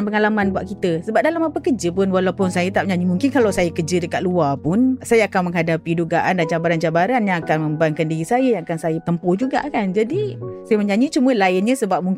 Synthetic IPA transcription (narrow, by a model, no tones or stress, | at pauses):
npəŋalamãnbwaʔkit̪əsəbap̚dalamapəkəd͡ʒəpʊnwalawpʊnsajət̪ap̚ɲãɲimuŋkɪnkalawsajakəd͡ʒədəkat̪̚luapʊnsajaːkanmə̃ŋɦadapiduɡaʔandant͡ʃabaɾant͡ʃabaɾanjaŋakanmə̃mbaŋkandiɾisajəjaŋakansajət̪əmpʊhd͡ʒuɡa̰ʔkand͡ʒadisajəməɲãɲĩt͡ʃuməlaɪnɲəsəbap̚muŋ